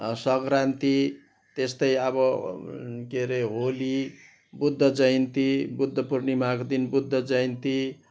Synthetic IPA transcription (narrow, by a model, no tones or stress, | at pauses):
sʌɡɾant̪i | t̪est̪ʌjʌβʌ | keɾeɦoli | bud̪ʱːʌd͡zʌjnt̪ibud̪ʱːʌpurnimakod̪inbud̪ʱːʌd͡zʌjnt̪i